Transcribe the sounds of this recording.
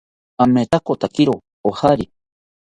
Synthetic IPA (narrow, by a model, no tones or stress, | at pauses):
amet̪akot̪akiɾo | ohaɾi